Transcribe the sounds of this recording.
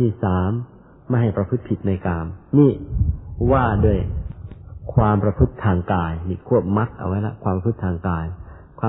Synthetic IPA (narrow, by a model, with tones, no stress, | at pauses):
iː˥˩saː˩˦mː | a˥˩ɦa˨˩jpɾa˧pʰɯ˦˥t̪̚pʰi˨˩t̪̚na˧jkaː˧mniː˥˩ | waː˥˩du˥˩əj | kʰwaː˧mpɾa˧pʰɯ˦˥t̪ʰːaː˧ŋkaː˧jni˧˩kʰu˥˩əp̚ma˦˥t̪̚ʔa̰˧wa˦˥jla̰˦˥kʰwaː˧mpɾa˧pʰɯ˦˥t̪ʰːaː˧ŋkaː˧j | kʰwaː˧